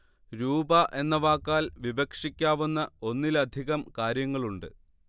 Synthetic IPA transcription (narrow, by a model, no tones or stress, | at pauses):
ɾuːbɐʔe̞nːɐʋaːkːaːlʋiʋɐkʂikʲːaːʋunːɐo̞nːilɐd̪ʱiɣɐmkaːɾjɐŋːɐɭuɳɖɨ